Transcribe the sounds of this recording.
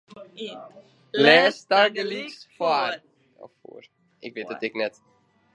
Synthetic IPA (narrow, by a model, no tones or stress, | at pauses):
lɛːstarɡəliksfar | ɔ̰fṵːr | ɪkʋɪtdɔtɪknɛt